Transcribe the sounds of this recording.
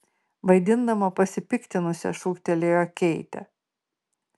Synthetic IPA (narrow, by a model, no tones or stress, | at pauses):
ʋɐɪd̪ʲɪnd̪ɐmɐpɐsʲɪpʲɪkt̪ʲɪnʊsʲɛ̰ʃuːkt̪ʲɛlʲeːjoːkʲɛɪt̪ʲɛ̰